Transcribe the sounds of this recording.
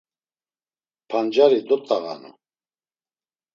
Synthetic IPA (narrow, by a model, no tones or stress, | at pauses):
pʰand͡ʒaɾid̪ɔt̪ʼaɣa̰nṵ